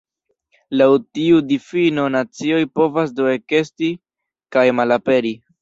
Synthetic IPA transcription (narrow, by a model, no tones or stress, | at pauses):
lawtiudifino̞nat͡sio̞jpo̞vas̬doeke̞sti | kajmalape̞ɾi